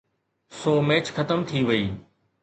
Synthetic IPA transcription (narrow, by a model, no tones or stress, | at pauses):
soːmɛːt͡ɕxɐt̪əmt̪ʰiʋɐiː